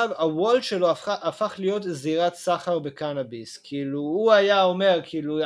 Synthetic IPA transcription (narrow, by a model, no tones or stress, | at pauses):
vawold̪ʃeloaʔafaχlijo̞t̪ziʁat̪saχaʁbe̞kanabiskʰiiluuajao̞me̞ʁkʰiilu